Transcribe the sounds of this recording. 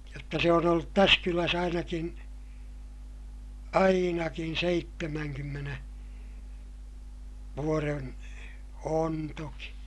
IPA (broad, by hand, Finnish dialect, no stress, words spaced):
jotːɑ se on olːut tæs kylæs ɑinɑkin ɑinɑkin seitːemæŋkymːene ʋuoren on toki